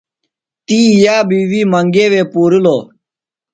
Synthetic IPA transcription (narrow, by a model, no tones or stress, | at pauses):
t̪iːjaːbiːʋiːməŋɡeːʋeːpuːɾiloː